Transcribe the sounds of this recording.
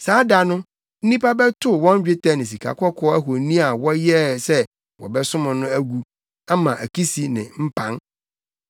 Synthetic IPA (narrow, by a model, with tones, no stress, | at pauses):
saː˨˦da˨nʊ̃˦ | n̩˦nĩ˦pa˦bɛ˦tʰʊ˦wɔ̃˦ɲ˦d͡ʑᶣɪ˦tʰa˦nɪ̃˨s̬i˨kʰa̰˨kʰʷɔ˦kʰɔ˦æ˦ɦo˨nĩ˦a˨wɔ˦jɛ˦sɛ˦ | wɔ̰˨bɛ˦sʊ̃˦mʊ̃˨nʊ̃˦æ˦ɡu˦ | a˦mã˨ʔæ˨kʰi˦si˨nɪ̰̃˨m̩˦pʰã˦n